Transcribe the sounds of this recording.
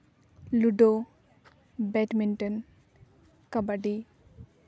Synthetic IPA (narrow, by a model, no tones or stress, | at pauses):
luɖo | bɛʈminʈən | kɐbaɖi